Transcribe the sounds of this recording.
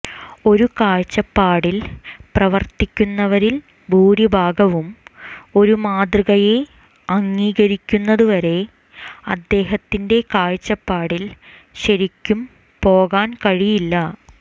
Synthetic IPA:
o̞ɾukaːɻt͡ɕːɐpːaːɽilprɐʋɐrt̪ikʲːunːɐʋɐɾil | bʱuːɾibʱaːɡɐʋumo̞ɾumaːd̪rɨɣɐje̞ | ɐŋːiːɣɐɾikʲːunːɐðuʋɐɾe̞ | ɐd̪ːe̞ːɦɐt̪ːinde̞kaːɻt͡ɕːɐpːaːɽil | ɕɐɾikʲːum | po̞ːɣaːnkɐɻijilːɐ

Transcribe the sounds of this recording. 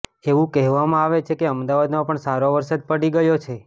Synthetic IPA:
eʋũkɛɦʋamãaʋet͡ʃʰekeəmd̪aʋad̪mãpəɳsaɾoʋəɾsad̪̚pəɽiɡəjot͡ʃʰe

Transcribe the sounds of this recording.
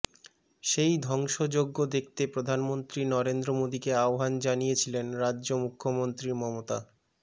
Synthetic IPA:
ʃejd̪ʱɔŋʃod͡ʑoɡːod̪ek̚ʰt̪epɾod̪ʱanmont̪ɾinɔɾend̪ɾomod̪ikeaoɦand͡ʑanijet͡ɕʰilenɾadːʑomukʰːomont̪ɾiɾmɔmot̪a

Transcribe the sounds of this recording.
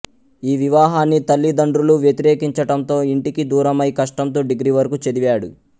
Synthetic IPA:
iːʋiʋaːɦaːnːit̪ɐlːid̪ɐɳɖɾuluʋjet̪iɾeːkiɲt͡ʃɐʈɐnt̪o̞ːiɳʈikid̪uːɾɐmɐjkɐʂʈɐnt̪̬o̞ːɖiɡɾiʋɐɾɐkut͡ʃed̪iʋaːɽu

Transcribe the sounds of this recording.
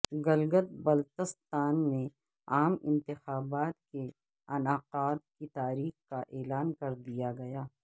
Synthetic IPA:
ɡɐlɡət̪̚bɐlt̪əst̪aːnmẽ | aːmɪ̰̃nt̪ɪxaːbaːt̪̚ke | ɐnaːqaːt̪̚kit̪aːɾiːxkaʔɛːlaːnkɐɾd̪ijaɡɐjaː

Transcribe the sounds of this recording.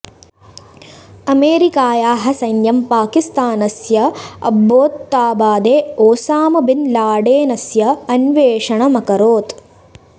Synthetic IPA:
ɐmeːɾikaːjaːɦɐsɐjnjɐmpaːkist̪aːnɐsjɐɐ̰bːoːt̪ːaːbaːd̪eːoːsaːmɐbinlaːɖeːnɐsjɐɐnʋeːʂɐɳɐmɐkɐɾoːt̪

